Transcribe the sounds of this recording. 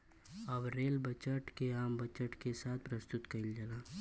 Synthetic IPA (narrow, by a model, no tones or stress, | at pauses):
ɐbɾeːlbət͡ʃəʈkeaːmbɐt͡ʃəʈkesaːt̪̚ʰpɾəst̪ʊt̪kɐild͡ʒəlaː